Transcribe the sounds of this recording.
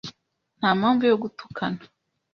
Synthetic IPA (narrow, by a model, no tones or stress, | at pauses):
n̥haːmaɱvujoɡutu̥kʰana